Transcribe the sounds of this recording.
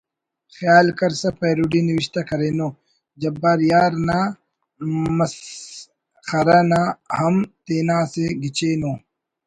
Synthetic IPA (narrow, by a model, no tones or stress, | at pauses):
xjaːlkɐɾsɐpeːɾuɖiniwiɕt̪ɐkɐɾenoː | d͡ʑɐbːaːɾjaːɾna | mɐs | xɐɾɐnahɐmt̪eːnãːseɡit͡ɕeːnoː